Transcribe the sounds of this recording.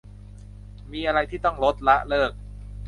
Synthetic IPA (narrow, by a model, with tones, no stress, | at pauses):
miː˧ʔa˧ɾa˧jt̪ʰiː˥˩t̪ɔ˥˩ŋɾo˦˥t̪̚la˦˥ʔlɤː˥˩k̚